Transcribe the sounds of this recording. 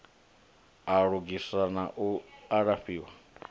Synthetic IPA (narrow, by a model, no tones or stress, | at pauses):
aɺuɡisanaʔuaɺaɸiːwa